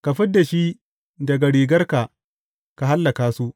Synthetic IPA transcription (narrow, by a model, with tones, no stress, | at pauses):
ka˨ɸɪ˦dːa˨ʃi˦ | dɐ˨ɡa˨ɽiː˨ɡɐ˦rka˨ | ka˨ɦa˦lːa˨kaː˦su˦